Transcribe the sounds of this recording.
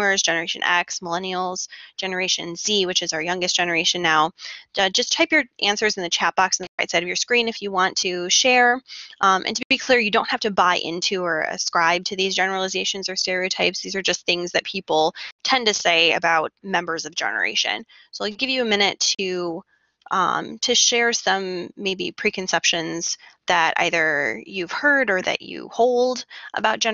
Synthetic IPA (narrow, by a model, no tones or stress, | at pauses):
ə˞zd͡ʒɛnə˞eɪʃɨ̰̃nɛ̰ksməlɛñil̩ˠz̥d͡ʒ̥ɛnə˞eɪʃɨ̰̃nsiwɨt͡ʃɨzaʊə˞jʌ̃ŋɡɨstd̥ʒ̥ɛnə˞eɪʃɨ̃nːaʊd͡ʒʌst͡ʃʰaɪpjə˞ʔæ̃nsə˞zn̩ðɨt͡ʃʰæt̚b̥ɑksn̩ðəɹaɪtsaɪɾʌvjə˞skɹĩnɨfjɨwɑ̃ntʰɨʃɛɹʔʔɨ̰̃ntʰɨbɨbikʰl̥ɪɹjɨdõʊ̃nthæftɨbaɪʔɪ̰̃ntʰʉə˞ɨ̰skɹaɪb̚tʰɨðizd͡ʒɛnə˞l̩ˠəzeɪʃɨ̃nzə˞stɛɹioʊtʰaɪpsðizə˞d͡ʒʌst̪θɪ̃ŋzðɨt̚pʰipl̩ˠtʰɛ̃ntɨseɪɨ̰baʊt̚mɛ̃mbə˞zʌvd͡ʒɛ̰nə̰˞ḛɪʃɨ̰̃n | soʊɪɡɪvjɨɨmɪ̃ñɨtʰɨ | ʌ̰̃mtʰɨʃɛɹsʌ̃mːeɪbḭpʰɹ̥ikɨ̃nsɛpʃɨ̃nz̥ðɨɾʔa̰ɪðə˞jʉv̥hɜ˞ɾə˞ðɨ̰t͡ʃɨ̰hoʊlˠdʔə̰baʊt̚ʒ̥ɛ̃